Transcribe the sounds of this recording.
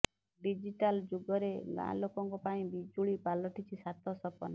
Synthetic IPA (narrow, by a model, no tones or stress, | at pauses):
ɖid͡ʒiʈald͡ʒuɡɔɾelã̰lokɔŋkɔpaĩbid͡ʒuɭipalɔʈit͡ʃʰisat̪ʰɔsɔpɔ̰na